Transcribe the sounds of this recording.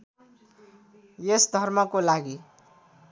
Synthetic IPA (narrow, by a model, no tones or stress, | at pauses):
jesd̪ʱʌrmʌkolaɡi